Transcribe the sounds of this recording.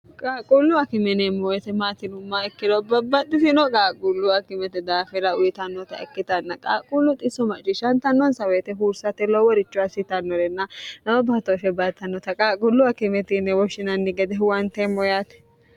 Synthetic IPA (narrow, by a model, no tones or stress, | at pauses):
kʼaːkʼulːʊɐkɪmɛnɛmojɛt̪ɛmaːt̪ɪnʊmːaɛkːɪd̪ɔbɐbːɐt̪ːɪsɪnɔkʼaːkʼʊlːʊɐkɪmɛt̪ɛd̪aːfɪɾɐʊjɪt̪ɐnːɔt̪ɐ̰ɛ̰kːɪt̪ɐnːɐkʼaːkʼulːʊt̪ʼɪsɔmɐt͡ʃʼɪʃɐnt̪ɐnːɔnsɐweːt̪ɛɦuɾsɐt̪ɛlɔwɔɾɪt͡ʃːʊɐsɪt̪ɐnːɔɾɛnːɐnɐbɐbːat̪oʃɛbat̪ːɐnːɔt̪ɐkʼaːkʼʊlːʊɐkɪmɛt̪ɪnːɛwɔʃɪnɐnːɪɡɛd̪ɛwɐnt̪emːɔjaːt̪ɛ̥